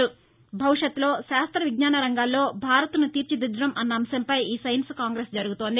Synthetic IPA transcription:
u | bʱɐʋuʂɐt̪lo̞ːʃaːst̪ɾɐʋiɡɲaːnɐɾɐŋɡaːlːo̞ːbʱaːɾɐt̪nut̪iːɾt͡ʃid̪ud̪ɾɐmʔɐnːɐːmsɐmpɐjiːsɐjnskaːŋɡɾeːsd͡ʒɐɾuɡut̪o̞ːnd̪i

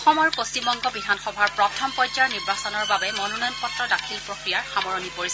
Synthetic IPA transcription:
ɔxɔmɔɹpost͡ʃimbɔŋɡɔbidʱanxɔbʱaɹpɹɔtʰɔmpɔjd͡ʒaɹniɹbasɔnɔɹbabɛmɔnɔnɔjnpɔtɹɔdakʰilpɹokɹijaɹxamɔɹɔnipoɹisɛ

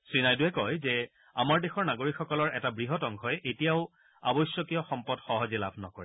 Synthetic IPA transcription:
sɹinajduɛkɔjzɛ | a̰maɹdexɔɹnaɡoɹikxɔkɔlɔɹɛtabɹiɦɔtɔŋkʰɦɔjʔetijaʊ | a̰bɔjsjɔkijɔxɔmpɔdxɔɦɔzɛla̰bʱnɔkɔɹɛ

